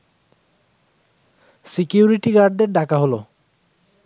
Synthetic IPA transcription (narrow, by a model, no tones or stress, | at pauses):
sikjuɾiʈiɡaɾɖ̚d̪eɾɖakaɦolo